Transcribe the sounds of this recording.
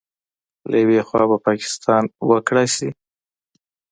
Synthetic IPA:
la̰jawexwɑ̰bapɑkɪ̥st̪ʰɑnwəkɽajʃi

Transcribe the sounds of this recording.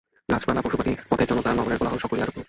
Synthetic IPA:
nad͡ʑbalapoʃubaʈipɔt̪ʰeɾd͡ʑɔnot̪aɾnɔmoneɾbolaɦonʃɔkoliaɾopo

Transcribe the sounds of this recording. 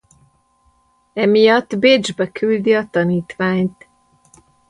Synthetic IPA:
ɛmijɒt̪ːbeːd͡ʒbɛkyld̪iɒt̪ɒniːt̪ʋaːɲt̪

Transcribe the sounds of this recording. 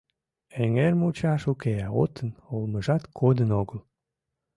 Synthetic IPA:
eŋermut͡ɕɑʃukeɑo̰t̪ʰənolməʒɑt̪kʰod̪ənoɣəl

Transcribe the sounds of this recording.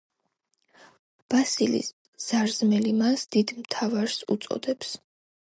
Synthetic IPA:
b̥asilḭs | z̥aɾzmɛlimasd̪id̪mt̪ʰavaɾsṵt̪sʼɔ̰d̪ɛps

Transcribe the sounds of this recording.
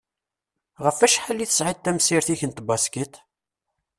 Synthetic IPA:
ʁəfæʃħalːiθə̥sʕid̪̚t̪ːæmsiɾθiçənt̪bɑskit̪

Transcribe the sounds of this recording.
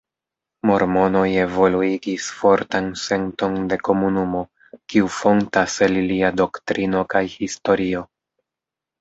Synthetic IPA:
mo̞ɾmo̞no̞je̞vo̞luiɡisfo̞ɾtanse̞nto̞nde̞ko̞munumo̞ | kiufo̞ntaseliliado̞ktɾʔino̞kajhisto̞ɾio̞

